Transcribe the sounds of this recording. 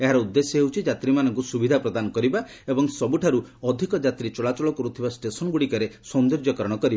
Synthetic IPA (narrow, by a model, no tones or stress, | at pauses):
eɦaɾɔud̪ːesjɔɦewt͡ʃʰid͡ʒat̪ɾimanɔŋkusubid̪ʱapɾɔd̪anɔkɔɾiba | ebɔŋsɔbuʈʰaɾuɔd̪ʱikɔd͡ʒat̪ɾit͡ʃɔɭat͡ʃɔɭɔkɔɾut̪ʰibasʈesɔnɔɡuɽikɔɾesɔnd̪oɾd͡ʒjɔkɔɾɔɽ̃ɔkɔɾiba